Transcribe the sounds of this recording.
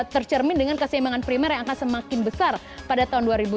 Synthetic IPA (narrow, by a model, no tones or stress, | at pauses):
t̪ərt͡ʃərmɪndəŋankəsiimaŋanpɾimɛrjaŋakansəmakɪnbəsar | padat̪aɦunduaɾibu